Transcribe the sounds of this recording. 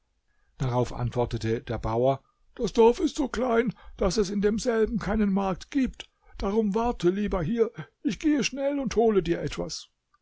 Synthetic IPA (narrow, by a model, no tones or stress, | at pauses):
d̥aʁaʊfʔa̰ntv̥ɔɐtətəd̥eːɐbaʊɐ | d̥asd̥ɔɐfɪstz̥oːkl̥aɪnd̥asɛsɪndeːmzɛlbm̩kʰaɪnənmaɐk̚tɡ̥iːpt | d̥aʁʊmvaɐtʰəliːbɐɦiːɐʔɪçɡ̥eːəʃnɛlʊnthoːlədiːɐʔɛtv̥a̰s